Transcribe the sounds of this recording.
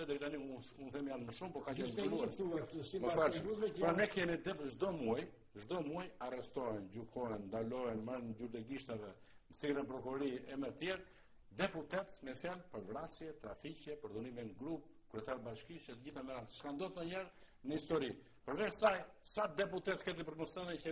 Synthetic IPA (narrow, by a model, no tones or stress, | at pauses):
ɛd̪ɾit̪aniuunθɛmjant̪məʃumpɔkat͡ʃɛluɛ | məfaɾamɛkɛmid̪ɛpʒd̪ɔmuaj | ʒd̪ɔmuajarɛst̪ɔɛnɟukʰɔɛnd̪alɔɛnməɾnd͡ʒuɾd̪ɛɡiʃt̪avɛ | məθirənpɾɔkuɾɔɾiɛmɛt̪jɛɾ | d̪ɛput̪ɛt̪mɛfjalpəɾvɾasjɛt̪ɾaficɛpəɾðuniminɡɾup̚ | kɾɛt̪aɾbaʃkiʃɛt̪əɟiθamɛɾat̪ʃkand̪ɔt̪əɲɛɾ | nəist̪ɔɾi | pəɾvɛɾsajsad̪ɛput̪ɛt̪kɛt̪̬ip̬əɾt̪mɔsɛnɛncɛ